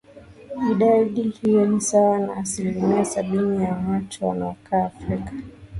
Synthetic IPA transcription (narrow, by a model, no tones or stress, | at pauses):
iɗaɗihijɔnisawana̰ːsilimiasaɓinijamat͡ʃɔwa̰naɔkʰaːfɾikḁ